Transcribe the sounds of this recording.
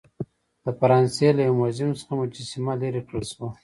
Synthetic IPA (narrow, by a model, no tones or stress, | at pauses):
d̪̥əfaɾɑnselajamazimsə̥xamʊd͡ʒisimaleɾikɽəlʃwa